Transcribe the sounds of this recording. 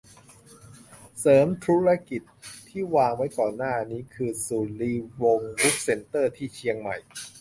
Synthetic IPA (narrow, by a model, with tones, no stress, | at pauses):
sɤː˩˦mt̪ʰɾuː˦˥ɾa˦˥ki˨˩t̪̚ʰːiː˥˩waː˧ŋwa˦˥jkɔː˨˩nːaː˥˩niː˦˥kʰɯː˧suː˨˩nliː˧wo˧ŋbu˦˥k̚se˧nt̪ɤː˥˩t̪ʰiː˥˩t͡ɕʰi˧əŋma˨˩j